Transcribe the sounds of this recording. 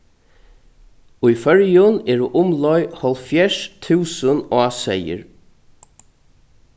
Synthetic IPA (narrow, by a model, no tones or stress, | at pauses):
ujfœɹjʊnɛɹʊʔʊmlɔjhɔlfjɛʂt̪ʰʉːsənɔːsɛjɪ̰ɹ